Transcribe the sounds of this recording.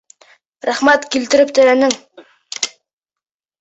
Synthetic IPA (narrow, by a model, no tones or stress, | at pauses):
ɾaχmat̪kʲʰelt̪ɪɾɪp̚t̪ʰɵɾænɪŋ